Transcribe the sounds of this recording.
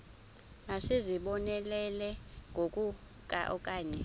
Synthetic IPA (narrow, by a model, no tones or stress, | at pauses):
asiziɓɔnɛlɛlɛŋɡʱokʼu | kʼa̰ʔɔkʼaːɲɛ